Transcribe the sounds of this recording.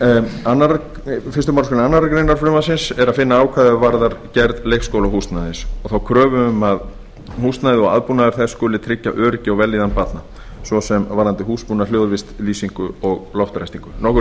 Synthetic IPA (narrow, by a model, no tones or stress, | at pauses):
anːaɾ | fɪ̥rst̪ʏmaɾskʏnnanːaɾakɾejnaɾ̥fɾʏːmasɪnsɛɾaðfɪnːaaːwkʰvaːðʏvaɾðaɾcɛɾðlejxskowlaɦust̪najðɪsɔɣθawkʰɾœːvʏʏmað | hust̪najðɪɔɣa̰ðpunaðʏɾ̥θɛskʏːlɪt̪ʰɾɪcːa̰ʔœːɾcɪɔɣvɛliːðanpat̪na | svɔsɛmvaɾlant̪ɪɦuːspunaljoːðʏvɪst̪liːsiŋkʏɔɣlɔft̪ɾajst̪iŋkʏnɔhkʏ